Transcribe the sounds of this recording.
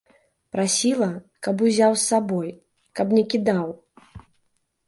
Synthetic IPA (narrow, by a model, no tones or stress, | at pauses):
pɾasʲilˠɐ | kɐbuzʲawsːabɔj | kɐpnʲɛkʲid̪aw